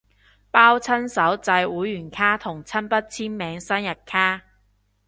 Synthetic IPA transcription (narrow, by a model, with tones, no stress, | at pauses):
paː˥wt͡sʰɐ˥nsɐ˨˥wt͡sɐ˧jwuː˨˥jːyː˨˩nkʰaː˥t̪ʰʊ˨˩ŋt͡sʰɐ˥npɐ˥t̚t͡sʰiː˥nmɛː˨˧ŋsɐ˥njɐ˨˩t̚kʰaː˥